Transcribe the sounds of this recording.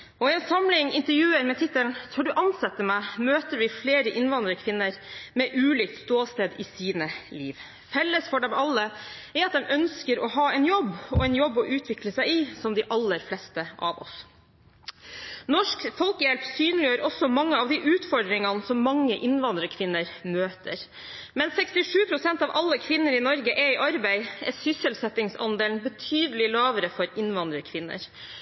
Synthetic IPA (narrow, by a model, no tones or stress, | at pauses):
ɔɪɛnsɑmlɪŋɪnt̪əɾjʉːəɾmɛt̪ʰɪt̪ːəlnt̪ʰɔːɖʉʔɑnsɛt̪ːəmæɪmøːt̪əɾʋɪfleːɾəʔɪnʋɑnd̪ɾəkʰʋɪnːəɾmɛʔʉːliːk̚t̪st̪oːst̪eːd̪ɪsiːnəliːʋ | fɛlːəsfɔɖɛmɑlːəæɾɑt̪̚d̪ɛmʔœnskəɾɔɦɑːɛɪnjɔbːɔɛɪnjɔbːɔʔʉːt̪ʰʋɪkləsæɪɪsɔmd̪ɪʔɑlːəɾflɛst̪əʔɑ̰ʋɔ̰s | nɔʂkfɔlkəjɛlpsyːnəlɪjøːɾɔsɔmɑŋːəɑʋd̪ɪʔʉːt̪fɔɖ̪ɾɪŋɑnsɔmːɑŋːəʔɪnʋɑnd̪ɾəkʰʋɪnːəɾmøːt̪ə̰ɾ | mɛnsɛkst̪ɪʂʉːpʰɾʊsɛnt̪ɑːʋʔɑlːəkʰʋɪnːəɾɪnɔɾɡəʔɛɪʔɑɾbæɪɛsʏsəlsɛt̪ːɪŋsɑ̰nd̪eːln̩bət̪ʰyːd̪əlɪlɑːʋəɾəfɔɾɪnʋɑnd̪ɾəkʰʋɪnːə̰ɾ